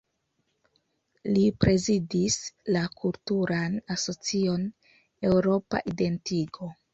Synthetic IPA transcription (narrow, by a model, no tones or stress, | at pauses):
lipɾe̞zidislakʰultuɾanaso̞t͡sio̞n | e̞wɾo̞pa̰ʔide̞ntiɡo̞